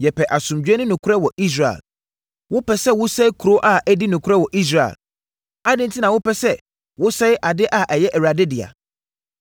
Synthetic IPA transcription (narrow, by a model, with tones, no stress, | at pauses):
jɛ˨pʰɛ˨ʔa˨sʊ̃˨md͡ʑᶣɛ˦nʊ̃˦nʊ̃˨kʰʊ˦ɛ˦wɔ˨ʔi˦s̬ɾa˨ɪ̰˨l | wʊ˦pʰɛ˨sɛ˦wʊ˦sɛ˦kʰu˨ɾo˦ʔa˦ʔɛ˦di˦nʊ̃˨kʰʊ˦ɾɛ˦wɔ˨ʔi˦s̬ɾa˨ɪ̰˨l | a˦dɪ̃˦n̩tʰi˦nã˨wʊ˦pɛ˦sɛ˦ | wʊ˦sɛ˦jʔa˨dɪ˦ʔa˨ʔɛ˨jɛ˦ʔɛ˨ɥa˨dɪ˦dɪ˨a̰˨